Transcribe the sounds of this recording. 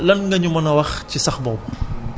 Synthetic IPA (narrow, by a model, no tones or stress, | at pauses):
lɐnŋɡɐɲumɐnɐwɐxcisɐxbɔw